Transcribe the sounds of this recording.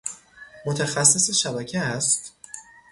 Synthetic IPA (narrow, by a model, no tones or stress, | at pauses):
mot̪ʰæxæsːeseʃæbæcʰeæst̪